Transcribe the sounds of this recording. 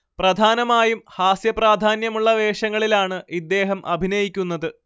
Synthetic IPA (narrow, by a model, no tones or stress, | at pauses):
prɐd̪ʱaːnɐmaːjumhaːsjɐpraːd̪ʱaːnjɐmuɭːɐʋe̞ːʂɐŋːɐɭilaːɳɨʔid̪ːe̞ːɦɐmʔɐbʱinɐjikʲːunːɐðɨ